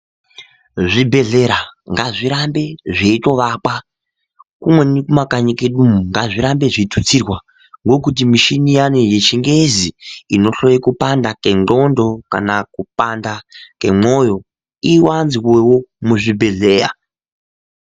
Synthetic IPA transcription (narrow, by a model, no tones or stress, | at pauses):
ʐibʱe̞ɮe̞ɾaŋɡaʐiɾambe̞ʐeito̞ʋakwa | kumwe̞nikumakaɲikeɗumuŋɡaʐiɾambe̞ʐitʰut͡sirwa | ŋɡo̞kut̬imiʃinijanejet͡ʃiŋɡe̞ziino̞ɬo̞jekupandake̞ndo̞ndo̞ka̰nakupandake̞mo̞jo̞ | iwanziwewomuʐibʱe̞ɮe̞ːra̰